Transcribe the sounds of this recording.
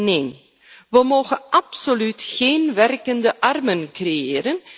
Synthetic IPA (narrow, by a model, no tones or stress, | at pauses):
neːn | ʋəmoːχənʔɑpsolytχeːnʋɛrkəndəʔɑrmənkreeːɾən